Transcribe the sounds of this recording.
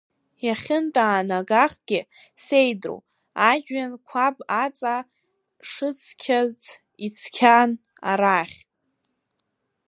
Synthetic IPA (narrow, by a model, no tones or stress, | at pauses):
jaχʲɪntʼaːnaɡaχɡ̥ʲɪse̞jdro̰w | aʒᶣɥankʷʰabat͡sʼa | ʂɨt͡sʰkʲʰazt͡sʰ | it͡sʰkʲʰan | a̰ɾaχʲ